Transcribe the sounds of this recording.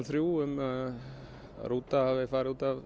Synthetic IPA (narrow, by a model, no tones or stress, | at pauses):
θɾjuːʏm | ɾuːt̪aavɪfaːɾɪuːt̪av